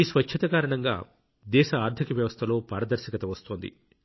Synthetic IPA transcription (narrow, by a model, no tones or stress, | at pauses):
iːsʋɐt͡ʃʰːɐt̪ɐkaːɾɐɳɐŋɡa̰ː | d̪ɛːʃɐaːɾd̪ʰʱikɐʋjɐʋɐst̪ʰɐlo̞ːpaːɾɐd̪ɐɾʃɐkɐt̪ɐʋɐst̪oːnd̪ḭ